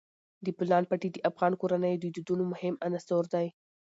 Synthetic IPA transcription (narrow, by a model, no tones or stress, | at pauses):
d̪əplɑnpaʈid̪əʔafɣɑnkoɾanəjd̪əd̪ud̪unomʊhɪmanast̪owɾd̪aj